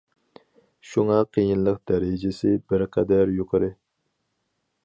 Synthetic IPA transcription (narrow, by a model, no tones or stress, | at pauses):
ʃuŋɑqʰijinlˠəqd̪ɛɾɪd͡ʒesɪbɪɾqʰæd̪æɾjoqʰəɾɨ